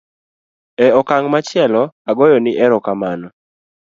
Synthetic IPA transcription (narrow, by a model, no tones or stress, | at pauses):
ɛɔkaŋmat͡ʃɪɛlɔaɡɔjɔnɪʔɛɾɔkamanɔ